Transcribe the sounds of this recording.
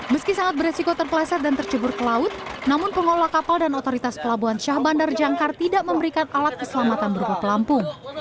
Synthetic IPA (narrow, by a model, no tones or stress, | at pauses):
məskisaŋat̪̚bəresikot̪ərpəlasɛt̪̚dant̪ərt͡ʃəbʊrkəlaʊt̪̚namʊnpəŋolakapaldanot̪oɾit̪aspəlabuɦanʃahbandard͡ʒaŋkart̪idaʔməmbəɾikanʔalat̪̚kəsəlamat̪anbəɾupahpəlampʊŋ